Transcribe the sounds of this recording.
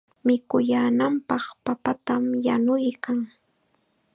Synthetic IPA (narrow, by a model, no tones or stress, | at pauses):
mɪkʊjaːnampɑχpapat̪amjanʊjkaŋ